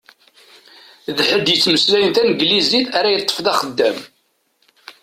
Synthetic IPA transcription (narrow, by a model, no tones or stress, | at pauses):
ðħəd̪jət͡sːməslæjənt̪ænəɡliziθæɾæjət̪ˤːə̥fðɑχəd̪ːæm